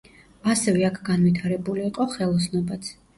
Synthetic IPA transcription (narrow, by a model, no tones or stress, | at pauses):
asɛvɛakʰɡanvit̪ʰaɾɛbuliːqʼɔχɛlˠɔsnɔbat̪sʰ